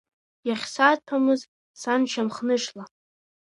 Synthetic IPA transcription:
jaχʲsatʰamɨz | sanʃʰamχnɨʂla

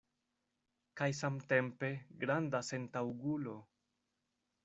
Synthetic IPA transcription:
kajs̬amte̞mpe̞ɡɾandase̞ntawɡulo̞

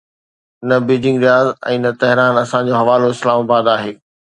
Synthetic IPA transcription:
nɐbiːd͡ʑɪ̃ŋɡɾijaːzɛ̰̃ːnɐt̪ɛɦɾaːnɐsãd͡ʑoɦɐʋaːloɪslaːmabaːd̪aːɦeː

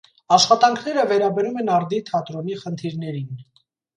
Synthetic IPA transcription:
ɑʃχɑt̪ɑŋkʰnɛɾəvɛɾɑbɛɾumɛnɑɾd̪it̪ʰɑt̪ɾɔniχənt̪ʰiɾnɛɾin

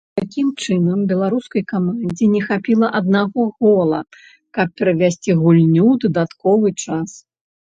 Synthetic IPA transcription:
t̪akʲimt͡ʂɨnɐmbʲɛlˠaɾuskɐjkamanʲd͡zʲinʲɛxapʲilˠɐʔɐd̪̚naɣɔɣɔlˠɐ̰ | kɐp̚ːʲɛɾɐvʲasʲt͡sʲiɣulʲnʲud̪ɐd̪at̪kɔvɨt͡ʂas

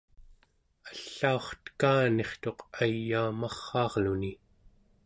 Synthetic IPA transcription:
aɬːaoχt̪ə̥kaːne̞χt̪o̞qajːaːmɑχːɑːʁluni

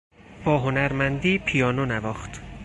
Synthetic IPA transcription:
b̥ɒːɦonæɾmænd̪iːpʰijɒːnonævɒːχt̪

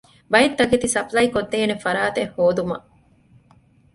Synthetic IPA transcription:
bɐjet̪ːɐket̪isɐplɐikod̪ːeːnefɐɾaːt̪ehːoːd̪umɐ

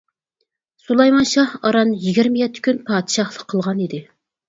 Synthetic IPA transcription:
sulˠɑjmɑnʃɑhɑɾɑnjiɡʲɪɾmɪjɛt̪ʰːɪ̥kʲynpʰɑːd̪ɪʃɑhlˠəqʰːəlˠʁɑnid̪ɪ

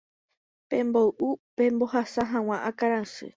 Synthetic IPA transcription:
pẽ̞mboʔupẽ̞mbo̞hasaɦãw̃ãʔakaɾãsɨ̰

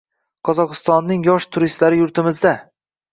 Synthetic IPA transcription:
qʰɒzɒqɨst̪ɒnːɪŋjɒʃt̪ʰʊɾɪst̪laɾɪjʊɾt̪ʰɪmɪzd̪a

